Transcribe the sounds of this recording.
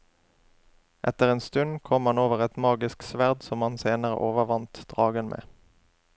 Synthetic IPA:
ʔɛt̪əʁeːnst̪ʉnkʰɔmhɑnoːʋəʁɛt̪mɑːɡɪsksʋæʁd̪sɔmɑnseːnəʁə̰ʔoːʋəʁʋɑnt̪d̪̥ʁɑːɡənmʔḛː

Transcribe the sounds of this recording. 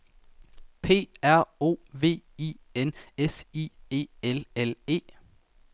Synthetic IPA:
pʰe̝̰ːæɐ̰o̝̰ːʋe̝̰ːienesiːe̝̰ːelele̝̰ː

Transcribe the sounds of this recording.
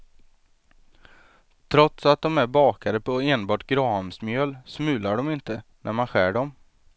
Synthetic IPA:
t̪ʰɾɔt̪sat̪̚d̪ɔmæɾbɑːkʰaɾəpʰɔeːnbɑːʈɡɾɑːmsmjœːlsmʉ̟ːlaɖɔmɪnt̪ənʔæ̰ɾmanɧæːɖɔm

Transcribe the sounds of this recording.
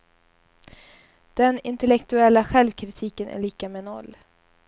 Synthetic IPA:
d̪̥ɛnɪnt̪ɛlɛkt̪ɵɛlːaɧɛlvkʰɾɪt̪ʰiːkənʔæ̰ɭiːkamɛnɔ̰lː

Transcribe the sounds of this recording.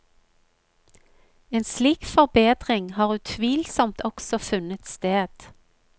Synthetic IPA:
eːnsliːkfɔʁbeːd̪ʁɪŋhɑːʁʉːt̪ʰʋiːlsɔmt̪ʰɔksɔfʉnət̪st̪eːd̪̥

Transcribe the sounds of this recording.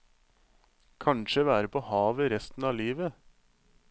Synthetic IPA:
kʰɑɳʃəʋæːɾəpʰoːhɑːʋəɾɛst̪n̩ɑːliːʋə

